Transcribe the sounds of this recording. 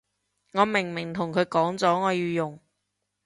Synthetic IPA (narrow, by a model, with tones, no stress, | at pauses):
ŋɔː˨˧mɪ˨˩ŋmɪ˨˩ŋt̪ʰʊ˨˩ŋkʰɵ˨˧˥ɥkɔː˨˥ŋt͡sɔː˨˥ŋɔː˨˧jiː˧jʊ˨˩ŋ